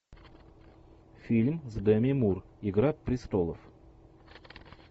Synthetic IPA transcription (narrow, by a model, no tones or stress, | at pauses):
fʲilʲmzd̪əmʲemurɪɡɾapːɾʲɪst̪olˠə̰f